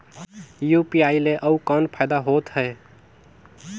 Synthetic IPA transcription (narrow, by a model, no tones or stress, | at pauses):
jupiaileʔəukənpʰaɪd̪aɦot̪ɦəe